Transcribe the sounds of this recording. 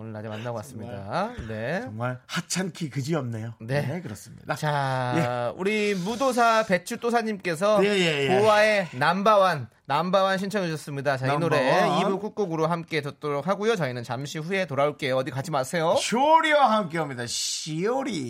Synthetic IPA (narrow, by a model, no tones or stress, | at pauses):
onɯɭma̰d͡ʑimanːaɡokas͈ɯmɲida̰ne̞ʌŋmaɭhat͡ɕʰankʰikɯd͡ʑiʌmnejone̞ekɯɾʌs͈ɯmɲḭdat͡ɕajeṵɾimudos̬ʰape̞t͡ɕʰut͈os̬ʰaɲimk͈e̞s̬ʰʌjejepowae̞nambawanːambawanɕʰint͡ɕʰʌŋiɕʰʌs͈ɯmɲidat͡ɕainoɾe̞ibuk͈uk͈oɡɯɾoɦamk͈e̞t͡ɕʌt̚t͈oɾok̚ɦaɡujot͡ɕʌinɯnt͡ɕamɕʰiɸue̞toɾaoɭk͈e̞joʌdikat͡ɕʰimaɭsʰe̞joɕʰoɾiwaɦamk͈eamɲidaɕioɾi